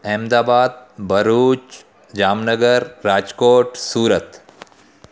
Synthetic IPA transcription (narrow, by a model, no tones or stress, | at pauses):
eːmd̪aːbaːd̪̚bɐɾuːt͡ʃ | d͡ʒaːmnəɡəɾːaːd͡ʒkoːʈsuːɾət̪